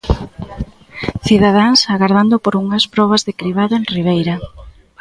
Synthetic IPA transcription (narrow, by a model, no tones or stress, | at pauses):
θiðað̞aŋsaɣaɾð̞and̪ʊpoɾuŋɐspɾɔβ̞azðɪkɾiβ̞aðʊẽŋriβejɾɐ